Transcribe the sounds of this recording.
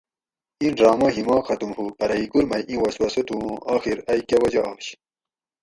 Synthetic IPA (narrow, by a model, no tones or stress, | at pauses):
ĩnɾɑːmɐɦimɑ̃ːxɐt̪umhupɐɾɐiɡuɾmɐjʔĩwɐswɐsot̪uõʔaːxiɾɐjkawɐd͡ʑaʔaːɕ